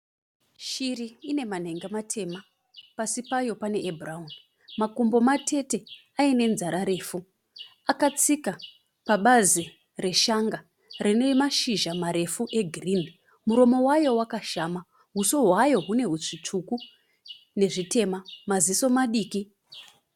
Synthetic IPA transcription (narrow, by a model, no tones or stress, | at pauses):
ʃiriːne̞man̤e̞ŋɡematʰe̞ma | pasipajo̞pane̞ʔːbʱraɦun | makumbo̞matʰe̞te̞ | aine̞nzaɾaɾe̞ːfu | akat͡sika | paɓazi | re̞ʃaŋɡa | rinemaʃiʒamaɾe̞fuʔe̞ɡʱrin | muɾo̞mo̞wajo̞wakaʃaːma | ɦuso̞ɦwajo̞ɦune̞ɦut͡ʂit͡ʂuku | ne̞ʐite̞mamaziso̞maɗiːki